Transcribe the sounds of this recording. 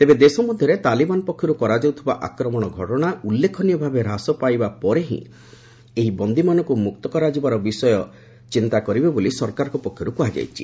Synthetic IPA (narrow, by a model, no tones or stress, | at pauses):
t̪ebed̪esɔmɔd̪ʱjɔɾet̪alibanɔpɔkʰːjɔɾukɔɾad͡ʒɔwt̪ʰibaʔa̰kɾɔmɔɽ̃ɔɡʱɔʈɔɽ̃aulːekʰɔnijɔbʱabeɾasɔpajbapɔɾeɦḭ̃ | eɦibɔnd̪imanɔ̃ŋkumuk̚t̪ɔkɔɾad͡ʒibaɾɔbisɔjɔ | t͡ʃint̪akɔɾibebolisɔɾkaɾɔkɔpɔkʰːjɔɾukuɦad͡ʒa̰jt͡ʃʰi̥